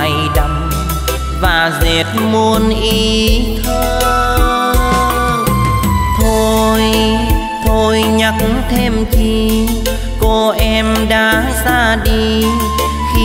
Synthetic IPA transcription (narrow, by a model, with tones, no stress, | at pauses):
jɗa˧˩m | vaː˨˩ze˨˩t̚mo˧ənʔi˨˦t̪ʰə˧ | t̪ʰo˧j | t̪ʰo˧˩jɲa˨˦˥k̚ŋt̪ʰe˧mt͡ɕi˧ | ko˧ʔɛ˧mɗaː˨˦zaː˧ɗi˧ | xi˧